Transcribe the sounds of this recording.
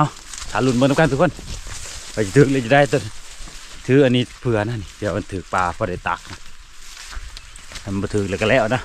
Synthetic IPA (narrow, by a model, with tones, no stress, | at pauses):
a˧w | t̪ʰaː˨˧˨lu˧˩nmə˧na˧ka˧˨t̪ʰu˧kʰo˧˥˨n | pa˧si˧t̪ʰɯː˨˩k̚lɛ˧˨t͡ɕi˧˨da˧˨t̪ɛ˧ | t̪ʰɯː˨˦ʔa˧˨niː˧˥pʰɯ˧ɐna˧˨ni˧˨ti˧a˨wma˧nt̪ʰɯː˨˩k̚paː˧pɔ˧da˧jt̪a̰˨k̚na˧ | a˧m˧bɔ˧t̪ʰɯː˨˩k̚lɛ˧ka˧lɛː˧˩wna˧˨